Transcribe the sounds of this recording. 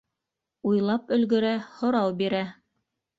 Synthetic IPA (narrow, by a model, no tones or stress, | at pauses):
ujlˠɑpɵ̆lɡɵ̆ɾæhŏɾɑwbiɾæ